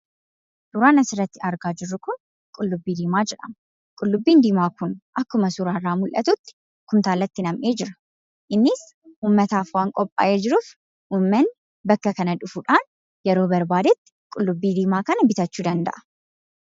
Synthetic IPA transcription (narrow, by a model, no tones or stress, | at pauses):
suɾaːnɐsɪɾɐt̪ːɪɐɾɡaːd͡ʒɪrːʊkʊn | kʼʊlːʊbːiːd̪iːmaːd͡ʒɛᶑɐm | kʼʊlːʊbːiːnd̪iːmaːkʊnʔɐkːʊmɐsuɾaːrːaːmʊlʔɐt̪ʊt̪ːɪ̥ | kʊmt̪aːlːɐt̪ːɪnɐmʔe̞ːd͡ʒɪɾɐ̥ | ʔɪnːɪs | ʔuːmːɐt̪aːfwaːŋkʼɔpʼːa̰ːʔeːd͡ʒɪɾuːf | ʔuːmːɛn | bɐkːɐkɐnɐᶑʊfuᶑaːn | jɛɾoːbɐɾbaːd̪ɛt̪ːɪ̥kʼʊlːʊbːiːd̪iːmaːkɐnɐbɪt̪ɐt͡ʃːuːd̪ɐnd̪ɐ̰ʔɐ̥